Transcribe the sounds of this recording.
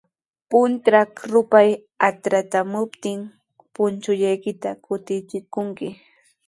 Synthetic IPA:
pʊnt̪ɾakɾʊpaj | at̪ɾat̪amʊpt̪ɪŋ | pʊnt͡ʃʊʎajkɪt̪akʊt̪ɪt͡ʃɪkʊŋkɪ

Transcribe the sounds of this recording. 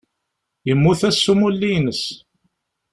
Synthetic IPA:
jəmːuθæsːumulːinəs

